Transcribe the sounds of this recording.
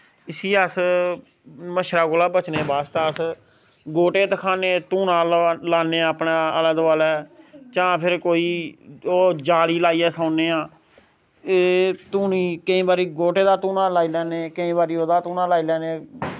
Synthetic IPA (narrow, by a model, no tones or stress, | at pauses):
ɪsiːəs | məʃɾaːɡʊlaːbət͡ʃneːbaːst̪aːəs | ɡoːʈeːt̪əkʰaːneːt̪uːnãːllaːneːəpnãːələd̪ʋaːlɛːt͡ʃãːpʰɪɾkoːiːoːd͡ʒaːɽiːlaːiːɛːsaːneːãː | eːt̪uːniːkəĩːbaːɾiːɡoːʈeːd̪aːt̪uːnaːlaːiːlɛːneːkəĩːbaːɾiːoːd̪aːt̪uːnãːlaːiːlɛːnẽː